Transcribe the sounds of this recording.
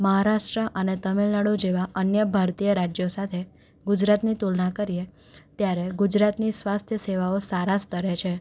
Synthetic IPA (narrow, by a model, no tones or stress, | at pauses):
məɦaɾaʂʈɾəʔənet̪əmilnaɽud͡ʒeʋaʔənjəbʱaɾt̪ijəɾad͡ʒjosat̪ʰe | ɡud͡ʒɾat̪nit̪ulnakəɾije | t̪jaɾeɡud͡ʒɾat̪nisʋast̪ʰjəseʋaosaɾast̪əɾet͡ʃʰe